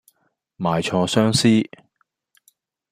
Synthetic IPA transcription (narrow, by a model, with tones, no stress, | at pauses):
maː˨jt͡ʃʰɔː˧sœː˥ŋsiː˥